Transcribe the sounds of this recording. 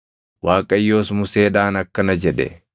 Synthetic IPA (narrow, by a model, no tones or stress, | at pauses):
waːkʼɐjːo̞ːsmʊseːᶑaːnɐkːɐnɐd͡ʒɛᶑɛ̰